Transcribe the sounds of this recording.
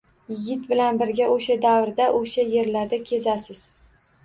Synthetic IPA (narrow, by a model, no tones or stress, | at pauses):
jɪɡʲɪt̪bɪlanbɪɾɡʲaʔoʃad̪avɾd̪aʔoʃaje̞ɾlaɾd̪akʲʰe̞zasɪz̥